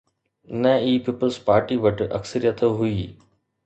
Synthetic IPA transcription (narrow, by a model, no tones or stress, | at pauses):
nɛiːpiːpəlzpaːɾʈiʋɐʈɐ̰ksəɾijət̪ɦʊiː